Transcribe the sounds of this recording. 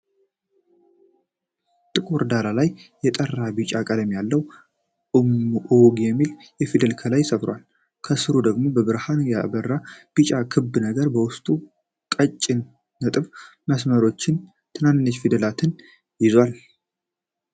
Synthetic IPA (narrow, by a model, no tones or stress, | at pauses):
t̪ʼɨkʼoɾd̪aɾalajː | ɛt̪ʼərːabit͡ʃʼakʼəd̪əmjalːəw | mʔoɡjɛmːil | jɛfid̪əlkʰəlajsəfɾwa̰l | kʰəsɨɾud̪əɡmo̞bəbɨɾhanjabərːab̥it͡ʃʼakʰɨbːɨnəɡəɾbəwʊst̪ʼu | kʼət͡ʃʼːɪnː | ət̪ʼɨβ | məsməɾo̞t͡ʃːɪn | t̪ʰɨnanːɨnːət͡ʃfid̪əlat̪ʰɨn | jɪzwal